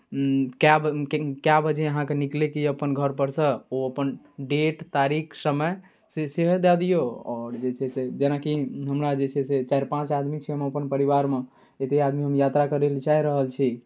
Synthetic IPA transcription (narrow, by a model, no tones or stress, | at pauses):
kjabkjabəd͡ʒeəɦãkeniklekiəpənɡʱəɾpəɾsə̃oəpən | ɖeʈt̪aɾikʰsəməj | seseɦd̪ad̪ijoɔːɾd͡ʒet͡ʃʰɛsed͡ʒenakiɦəmɾad͡ʒet͡ʃʰɛset͡ʃaiɾpãt͡ʃad̪mit͡ʃʰɛəmeəpənpəɾiβaɾme | et̪ead̪miɦəmjat̪ɾakəɾelt͡ʃaiɾəɦəlt͡ʃʰi